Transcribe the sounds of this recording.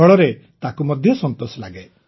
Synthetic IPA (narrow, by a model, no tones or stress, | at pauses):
ɔɭɔɾe | t̪akumɔd̪ʱjɔsɔnt̪osɔlaɡe